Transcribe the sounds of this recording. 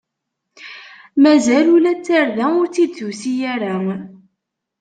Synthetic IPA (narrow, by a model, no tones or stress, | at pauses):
mæzælulæt͡sːaɾðæʊɾt͡s̪ːid̪θusijæɾæ